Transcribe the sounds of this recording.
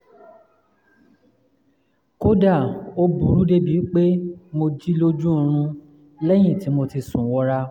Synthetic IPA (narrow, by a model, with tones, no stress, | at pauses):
ko˦da˦˨o˦bu˨˦ɾu˦de˦bi˨˦k͡pe˦mo˧d͡ʒi˦lo˦d͡ʒũ˦˧ɾ̃ũ˧ | lɛ˦j̃ĩ˦˨ti˨˦mo˧ti˧sũ˨˦wɔ˦ɾa˦